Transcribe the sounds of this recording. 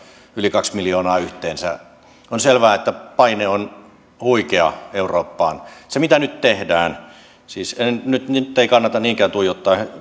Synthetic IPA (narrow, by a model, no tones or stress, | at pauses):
ylikɑksmiljoːnɑːyht̪eːnsæ̰ | onselʋæːet̪ːæpɑineon | huikeɑeuroːpːɑːnsemit̪ænyt̪t̪ehdæːn | siːsennyt̪nt̪ːeikɑnːɑt̪ɑniːŋkæːnt̪uijot̪ːɑˑːh